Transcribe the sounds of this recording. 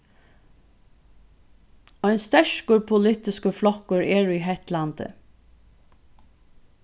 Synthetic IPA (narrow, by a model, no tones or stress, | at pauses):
ɔjnst̪ɛʂkʊɹpʰʊlɪt̪ɪskəflɔkʊɹɛːɹiɦɛht̪lant̪ə̰